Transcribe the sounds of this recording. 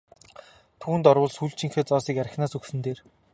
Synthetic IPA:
t̪ʰuːnt̪ɔrwʊːɮsuɮt͡ɕʰĭŋxeːt͡sɔːsiːkæɾʲɪ̆xnaːsuksɘ̆nt̪eːr

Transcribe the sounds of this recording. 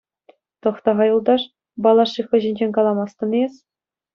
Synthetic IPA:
t̪ɤ̆χt̪ɑʁɑjŭlˠd̪ɑʂ | bɑlˠɑʂɯxɤ̆ʑĭnʲd͡ʑenʲkɑlˠɑmɑst̪ɤ̆nes

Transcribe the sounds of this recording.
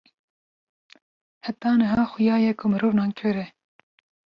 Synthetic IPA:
hæt̪ɑːnɨɦɑːxʊjɑːjɛkʰʊmɨɾoːvnɑːnkʰɨɾɛ

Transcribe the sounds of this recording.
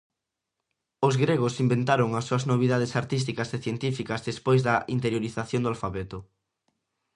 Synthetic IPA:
ozɣɾeɣʊsimbent̪aɾoŋɐsːoɐznoβ̞iðað̞esaɾt̪is̬t̪ikɐzeθjent̪ifikɐzðespojzðɐʔint̪eɾjoɾiθaθjond̪alfaβɛt̪ʊ

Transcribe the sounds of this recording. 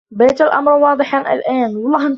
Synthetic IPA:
beːt̪ɪlʔa̰mɾˤwɑːd̪ˤɨħaʔɪ̰lʔæːnwɑlˤːɑhn

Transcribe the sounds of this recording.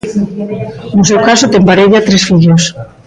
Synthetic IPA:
nosewkasot̪eŋpaɾeʎat̪ɾesfiʎos

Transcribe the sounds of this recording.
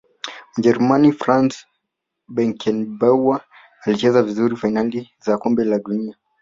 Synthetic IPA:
m̩ʄɛɾumanifɾans | bɛŋkɛnbawwaː | lit͡ʃɛzavizuɾifajnalizakɔmbɛlaɗunia

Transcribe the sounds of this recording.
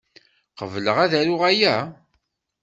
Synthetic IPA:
qəvləʁæðæɾʊʁæjæ

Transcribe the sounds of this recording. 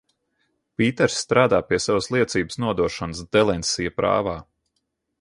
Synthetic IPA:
piːt̪ɛɾsːt̪ɾaːd̪aːpiɛsavəslˠiɛt̪siːbə̥snuɔd̪uɔʃɔnəsd̪ɛlˠɛnʲsijɐpɾa̰ːvaː

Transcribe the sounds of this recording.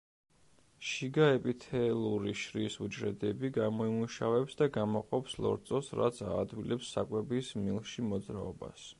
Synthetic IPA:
ʃiɡaɛpʼit̪ʰɛlˠuɾiʃɾisud͡ʒɾɛd̪ɛbiɡamɔimuʃavɛpsd̪aɡamɔqʼɔpslˠɔ̰ɾt̪sʼɔsɾat̪sʰaːd̪wilɛpsːakʼwɛbismilˠʃimɔd̪zɾaɔba̰s

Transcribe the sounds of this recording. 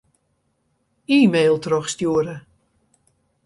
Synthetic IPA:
iːmeːlˠtrɔxstjuəɾə

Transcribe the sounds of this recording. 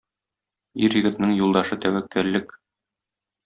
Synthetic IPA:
iɾjɘ̆ɡɘ̆t̪nɤŋjulˠd̪ɑʃɤt̪æwækːæɾlɘk

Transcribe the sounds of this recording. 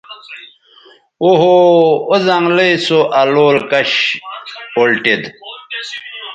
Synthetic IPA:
oɦoːzɐŋɡlesoʔaloːlkɐɕ | olʈid̪

